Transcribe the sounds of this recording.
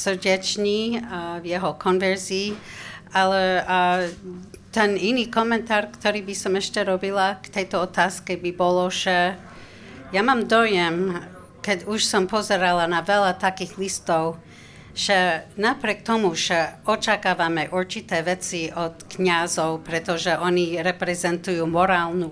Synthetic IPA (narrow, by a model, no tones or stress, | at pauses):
səɾɟɛt͡ʃɲivjɛɦɔkʰɔnvɛɾziːalɛ | t̪ɛniniːkɔmɛnt̪aːrkt̪ɔɾiːbisɔmɛʃcɛɾɔbilakt̪ɛjt̪ɔɔt̪aːskɛbibɔlɔʒ̥ɛ | jamaːmd̪ɔjɛm | kɛɟuʃsɔmpɔzɛɾalanavɛlat̪akiːɣlist̪ɔʊ | ʒ̥ɛnapɾʲiɛk̚t̪ɔmuʒɛɔt͡ʃakaːʋamɛʔuɾt͡ʃit̪ɛːʋɛt͡siʔɔt̪kɲazɔʊpɾɛt̪ɔʒɛʔɔɲiɾɛpɾɛzɛnt̪ujuːmɔɾaːlnu